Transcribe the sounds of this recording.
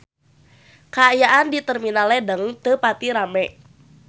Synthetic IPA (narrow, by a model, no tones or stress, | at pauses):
kaːjaʔandit̪ərminalɛdəŋt̪əpat̪iɾamɛ